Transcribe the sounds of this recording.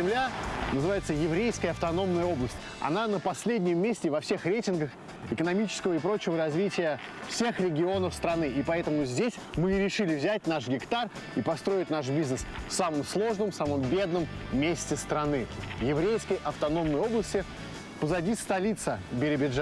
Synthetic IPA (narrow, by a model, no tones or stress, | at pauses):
zʲɪmlʲanəzɨvajɪt̪səjɪvɾʲejskəjəɐft̪ɐno̞mnəjəo̞blˠəsʲtʲ | ɐ̰nanəpɐsʲlʲedʲnʲɪmʲːesʲtʲɪvɐfsʲe̞xɾʲejtʲɪnɡəx | ɪkənɐmʲit͡ɕɪ̥skəvəɪpɾo̞t͡ɕɪvəɾɐzvʲitʲɪjə | fsʲe̞xɾʲɪɡʲɪo̞nəfst̪ɾɐnɨipɐɛt̪əmʊzʲdʲesʲmɨɾʲɪʂɨlʲɪvzʲæt̚ʲnaʂɡʲɪkt̪ar | ipɐst̪ɾo̞ɪtʲnaʂ̬bʲiznəsfsaməmslˠo̞ʐnəmfsaməmbʲe̞d̪̚nəmːʲesʲtʲɪst̪ɾɐnɨjɪvɾʲejskəjʔɐft̪ɐno̞mnəjo̞blˠəsʲtʲɪ | pəzɐdʲist̪ɐlʲit̪səbʲɪɾʲɪbʲɪʐa